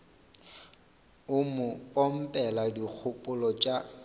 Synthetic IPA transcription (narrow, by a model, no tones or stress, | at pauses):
ʊmʊpʼɔm̩pʼɛladik͡xʰʊpʼʊlɔt͡ʃʼa